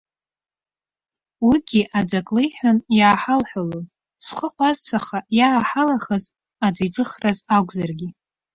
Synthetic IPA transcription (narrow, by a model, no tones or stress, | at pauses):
wiɡʲiʔad͡zʷakʼlejħʷᶣanjaːħalħʷalon | sχəqʷʼazt͡ɕʷʰaχajaːħalaχəz | ad͡ʒʷijt͡ʃʷʼɨχrazaɡʷʼzarɡʲi